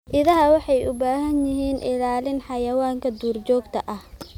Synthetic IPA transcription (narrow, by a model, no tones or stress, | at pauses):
ʔɪðɐɦɐwɑħɑjʊbaːɦɐnjɪɦiːnʔɪlaːlɪnħɑjɐwaːŋkʰɐd̪uːrt͡ʃɔːɡt̪ʰɐʔɐh